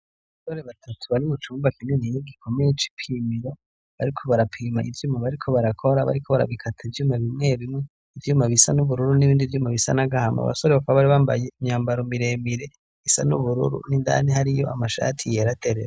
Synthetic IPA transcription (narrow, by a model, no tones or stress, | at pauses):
aaβasoɾe̞βatʰatʰuβaɾiβut͡ʃuːmbakinenijoɡikʰo̞mejet͡ʃi̥pʰiːmiɾe | βaɾikʰo̞βaɾapʰiːmaivjuːmŋaβaɾikʰo̞βaɾakʰo̞ɾaβa̰ɾikʰoβaɾa̰βikʰatʰaivjuːmaβimŋe̞βimŋe | ivjuːmaβisanuβuɾuɾuniβiːndivjuːmaβisanaɡahama̰βa̰so̞ɾeβakaβaβaɾiβaːmba̰jeimɲaːmbaɾomiɾeːmiɾe | isa̰nṵβuɾṵɾṵninda̰nihaɾijo̞̰ʔamaʃa̰ːtʰijeɾatʰe̞ɾeɾe